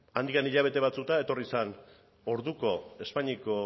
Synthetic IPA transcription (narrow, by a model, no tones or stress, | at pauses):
and̪ianiʎaβ̞e̞t̪e̞βat͡sut̪ae̞t̪o̞risan | o̞ɾðuko̞e̞spaɲiko